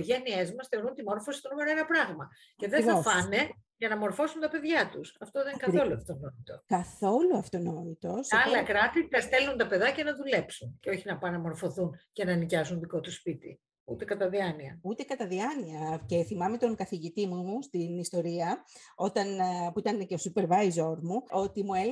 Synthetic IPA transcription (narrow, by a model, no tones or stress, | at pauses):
ʝeniezmɐsθe̞o̞ɾunt̪imo̞ɾfosi̥t̪onumeɾoenɐpɾɐɣmɐ | ceðeθɐofɐne̞ʝɐnɐmo̞ɾfo̞sunt̪ɐpe̞ðʝɐt̪usɐft̪oðekɐθo̞luɐft̪onot̪it̪o̞kɐθo̞luɐft̪ono̞t̪it̪o̞sɐlɐkɾɐt̪it̪ɐst̪e̞lunt̪ɐpe̞ðɐcenɐðule̞psunceo̞çinɐpɐnɐmo̞ɾfo̞θuncenɐnicɐzunðiko̞t̪uspit̪i | ut̪e̞kɐt̪ɐðiɐniɐut̪ekɐt̪ɐðiɐniɐce̞θimɐmet̪o̞ŋkɐθiʝit̪imuust̪inist̪o̞ɾiɐo̞t̪ɐnpuit̪ɐneceosupe̞ɾvɐjzo̞ɾmuo̞t̪imue